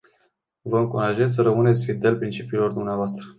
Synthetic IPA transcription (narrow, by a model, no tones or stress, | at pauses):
vəɨŋkuɾaʒesʲs̬əɾəmɨne̞t̪sʲfid̪e̞lpɾint͡ʃipiːlo̞rd̪umneavoast̪ɾə